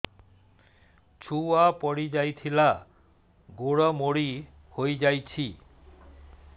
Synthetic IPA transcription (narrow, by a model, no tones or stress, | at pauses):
t͡ɕʰuapɔɽid͡ʑajt̪ʰila | ɡoɽɔmoɽi | hojd͡ʑajt͡ɕʰi